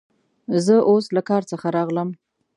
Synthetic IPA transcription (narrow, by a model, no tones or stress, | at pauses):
zəʔoslakɑɾt͡səxaɾɑɣləm